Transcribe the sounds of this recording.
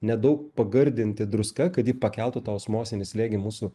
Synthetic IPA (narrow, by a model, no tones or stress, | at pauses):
nʲɛd̪ɐʊkpɐɡɐɾʲd̪ʲɪnʲt̪ʲɪd̪ɾʊskɐkɐt̪jiːpɐkʲɛlˠt̪ʊt̪ɑːoʊsmoːsʲɪnʲɪsʲlʲeːɡʲɪmuːsʊ